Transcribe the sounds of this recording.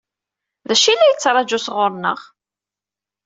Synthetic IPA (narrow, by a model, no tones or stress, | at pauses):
ðæʃilːæjət͡sːɾˤɑd͡ʒusʁʊɾˤnə̰ʁ